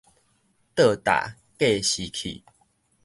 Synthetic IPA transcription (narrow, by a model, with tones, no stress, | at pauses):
t̪ə˥˧˨t̪a̰˨˩˨ | ke˥˧˨ɕi˨kʰḭ˨